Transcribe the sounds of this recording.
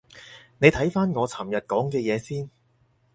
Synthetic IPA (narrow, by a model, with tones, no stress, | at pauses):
ne˨˧jt̪ʰɐ˨˥jfaː˥nŋɔː˨˧t͡sʰɐ˨˩mjɐ˨t̚kɔː˨˥ŋkɛː˧jɛː˨˧siː˥n